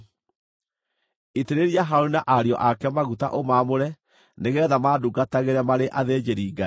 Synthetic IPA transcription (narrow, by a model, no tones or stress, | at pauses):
iteɾeɾiaɦaoinaʔaɾeɔʔakɛmaɣuta̰ʔomamoɾɛ | neɣɛːðamaːduɡataɣeɾɛmaɾeʔaðed͡ʒeɾiːɡa